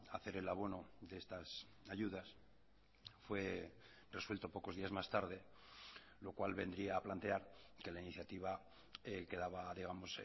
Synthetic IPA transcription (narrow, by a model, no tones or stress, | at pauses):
aθe̞ɾe̞laβo̞no̞d̪eest̪as | aʝuð̞as | fwe̞ | re̞swelt̪o̞po̞ko̞zðiazmast̪aɾð̞e̞ | lo̞kwalβe̞nd̪ɾiaːplant̪e̞aɾke̞lainiθjat̪iβa | eke̞ðaβaðiɣ̞amo̞s